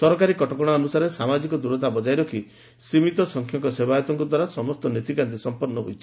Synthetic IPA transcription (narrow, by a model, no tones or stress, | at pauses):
sɔɾɔkaɾikɔʈɔkɔɽ̃aɔnusaɾesamad͡ʒikɔd̪uɾɔt̪ʰabɔd͡ʒajɾɔkʰi | simit̪ɔsɔŋkʰjɔŋkɔsebajɔt̪ɔŋkɔd̪waɾasɔmɔst̪ɔnet̪ikant̪esɔmpɔɾnɔɦo̰jt͡ʃʰi̥